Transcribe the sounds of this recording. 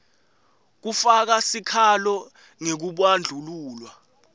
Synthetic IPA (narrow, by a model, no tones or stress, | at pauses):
k̬ufak̬asikʰalɔ | ŋek̬uɓwand͡ɮʱuluːlwa